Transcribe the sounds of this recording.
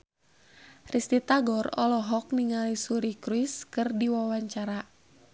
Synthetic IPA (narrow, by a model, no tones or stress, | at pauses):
rist̪it̪aɡɔrɔ̰lɔɦɔk̚niŋalisuɾikɾwiskɨrdiwawaɲt͡ʃaɾa